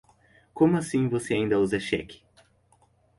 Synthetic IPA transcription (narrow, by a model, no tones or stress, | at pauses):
kõmʊasĩvoseaĩnd̪ɐuzɛʃɛ̰kʲɪ̥